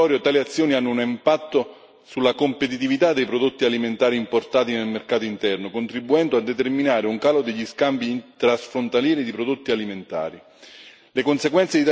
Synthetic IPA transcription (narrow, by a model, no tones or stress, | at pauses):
ɔːɾjot̪aːliat̪sːjoːnianːʊunimpat̪ːo | sulːakompet̪̬it̪ivit̪ad̪ːejpɾod̪ot̪ːialiment̪aːɾiːmport̪aːt̪inelmerkaːt̪oint̪ɛrnokont̪ɾibːuɛnd̪oad̪ːet̪erminaːɾeuŋkaːlod̪eʎːiskambint̪ɾasfɾont̪aljɛːɾid̪ipɾod̪ot̪ːialiment̪a̰ːɾi | lekonseɡwɛnt̪sed̪it̪